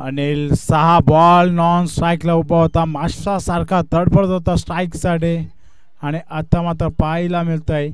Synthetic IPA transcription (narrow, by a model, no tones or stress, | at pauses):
anisəɦabɔlnɔnsʈɾajklaubʱəʋt̪amaasaɾkʰad̪əɽpəɽət̪ɦot̪asʈɾajksaʈe | aɽ̃iʔət̪ːamat̪̬ɾəpailamilt̪aj